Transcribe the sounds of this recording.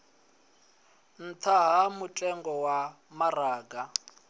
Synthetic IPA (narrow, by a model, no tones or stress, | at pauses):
n̩tʰaɦamutʼɛŋɡɔwa | maraːɡa